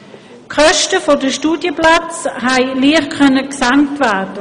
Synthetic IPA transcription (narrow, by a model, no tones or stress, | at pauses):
kʰœʃtəfodəʃtuːdjəplat͡shɛɪliəχkʰœnəksaŋktvæːdə